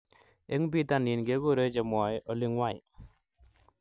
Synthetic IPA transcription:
e˦ŋbi˦ta˦˨ni˨nɡe˦ɡo˦˨ɾe˦t͡ʃɛ˨mɔ˨jʔɔ˨li˦ŋwa˦˨j

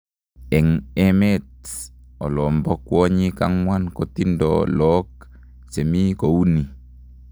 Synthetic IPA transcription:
ɛ˨ŋɛ˦mɛ˦t̚ɔ˨lɔ˨mbɔ˦kwɔ˦ɲi˦ka˦ŋwa˦nkɔ˨ti˦ndɔ̰˨lɔ˦k̚ | sɛ˨mi˦ko˨wu˦ni˨

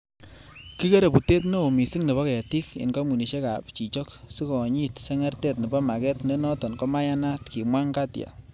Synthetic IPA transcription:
ki˦ke˦ɾe˨pu˨te˦tno˦o˨mi˨si˦ŋne˨βɔ˦kɛ˨ja˨ti˦kḭ˨nka˦mu˨ni˨ʃe˦ka˨pt͡ʃi˨t͡ʃɔ˦ksi˦kɔ˨ɲi˦tsɛ˦ŋɛ˦rtɛ˦t̚ni˨bɔ˦ma˨kɛ˦tne˦nɔ˦tɔ˨nkɔ˦ma˦ja˦na˦tki˨mwa˦ŋka˦tja̰˨

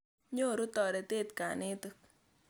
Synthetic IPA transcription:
ɲo˦˨ɾu˦tɔ˨ɾe˨te˦˨t̚ka̰˨ne˦tɨ˦k

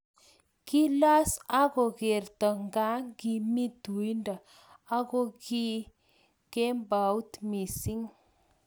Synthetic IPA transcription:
ki˦la˦sa˦ɡo˨ɡe˨ɾt̪a˨ŋɡa˦ŋɡi˨mi˦d̪u˨jnda˨ | a˦ɡo˦ɡi˦ | ke˦mba˨wt̪mi˨si˦ŋ

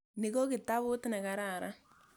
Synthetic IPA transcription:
nɪ˨ɡɔ˦kɪ˨ta˦βʊ˦tɪ˦na˨ka˨ɾa˦˨ɾa˦

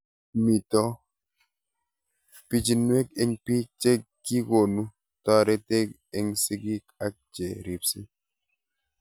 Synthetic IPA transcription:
mi˨tɔ˦ | pi˦d͡ʒi˨nwe˦ke˦ŋpi˦t͡ʃe˦ | ɡi˦ko˨nu˦ | tɔ˦ɾɛ˦te˦k | e˦ŋsi˦ɡi˦ka˦k̚t͡ʃe˨ɾi˨psi˦

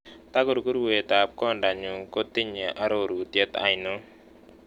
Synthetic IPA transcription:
t̪a˦ko˦ɾu˨ku˦ɾwe˨t̪a˨p̚kɔ˦nda˨ɲu˨ŋko˦t̪ɪ˦ɲe˨ʔa˦ɾo˦˨ɾu˨tjɛ˦t̪a̰˦˨ɪ˨no˦

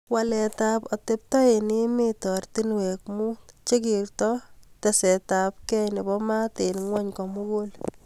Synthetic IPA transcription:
walɛ˨tapɔtep̚tɔ˦e˨ni˦mitɔ˨rtinwɛ˨k̚mu˦t͡ʃe˦kiɾtɔtesɛ˨ta˨p̚kɛ˦jne˨bɔ˦ma˦tenŋwɔ˦ɲkɔ˨mukol

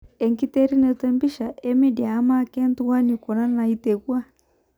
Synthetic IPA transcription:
ɛ˨ŋki˦tɛ˦ɾi˦nɛ˨tɛ˦mbi˦ʃa˨ʔɛ˦mɛ˦di˨aː˨˦ma˦kɛ˦n˦tu˦wa˦ni˨kɔ˨na˦na˨i˦tɛ˨kwa˦

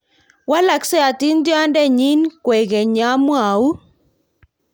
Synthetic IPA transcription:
wa˦la˨ksɛ˦a˨ti˦ndja˦ndɛ˦˨ɲi˦nkwɛ˨ɣɛ˨ɲa˨˦mwa˨u˦

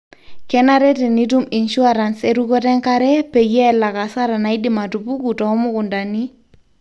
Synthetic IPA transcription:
kɛna˦ɾɛ˦tɛ˨ni˦t̬u˦mɪ˨nʃu˦aɾa˨nse˦ɾukɔ˦tɛ˦ŋkaɾɛ˦pɛ˨jɛ˦la˨ka˨sa˦ɾa˨na˨idɪma˨tupu˦ku˨tɔ˨ɔ˦mʊ˦kʊ˨nda˨ni˦

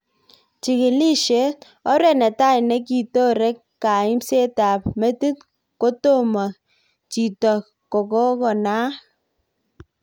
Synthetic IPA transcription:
t͡ʃi˨ki˨li˦ʃe˦ | ɔ˦ɾɛ˦˨nɛ˨ta˦i˨nɛ˦ki˨to˦ɾɛ˦k | ka˨i˦mse˦ta˨p̚me˦ti˦t | ko˦to˦˨ma˨ | t͡ʃi˨tɔ˨ | ko˨kɔ˦kɔ˨na˦

